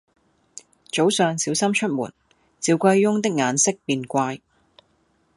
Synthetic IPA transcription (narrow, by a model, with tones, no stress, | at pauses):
t͡ʃo˨˥wsœː˨ŋsiː˨˥wsɐ˥mt͡ʃʰɵ˥t̚mṵː˨˩n | t͡siː˨˧wkʷɐ˧jːʊ˥ŋt̪ɪ˥k̚ŋaː˨˧nsɪ˥k̚piː˧nkʷaː˧j